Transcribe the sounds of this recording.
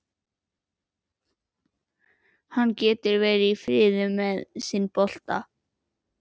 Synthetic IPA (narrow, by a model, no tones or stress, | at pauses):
hanːcɛːt̪ɪɾvɛːjɾɪifɾɪːðʏmːɛðsinpɔl̥t̪a̰